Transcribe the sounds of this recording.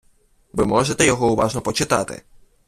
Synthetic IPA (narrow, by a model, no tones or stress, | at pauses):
ʋɪmɔʒɪt̪ɛjɔɦɔʊʋɑʒnɔpɔt͡ʃɪt̪ɑ̰t̪ɪ̰